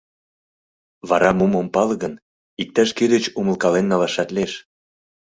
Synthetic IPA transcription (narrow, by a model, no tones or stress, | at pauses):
βɑɾɑmumompɑlɣən | ik̚t̪æʃked̪ĕt͡ɕumə̆lˠkɑlenːɑlɑʃɑt̪leʃ